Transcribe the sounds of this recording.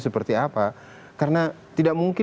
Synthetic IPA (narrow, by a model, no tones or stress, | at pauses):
səpərt̪iapa | kaɾəna | t̪idaʔmuŋkɪ